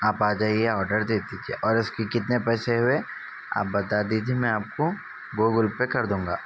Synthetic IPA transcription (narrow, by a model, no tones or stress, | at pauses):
aːpaːd͡ʒaːieɔːɾɖəɾd̪eːt̪it̪ʰiḛʔɔːɾʊskikɪt̪nepɛːseɦʊe | a̰ːp̚bɐt̪ad̪it̪̬ʰimɛ̃aːp̚ko | ɡoːɡʊlpekɐɾd̪ũːŋɡaː